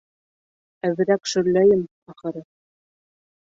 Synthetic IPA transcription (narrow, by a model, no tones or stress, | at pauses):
æβɘ̆ɾækʃɵ̆ɾlːæjɘm | ɑχɤ̆ɾɤ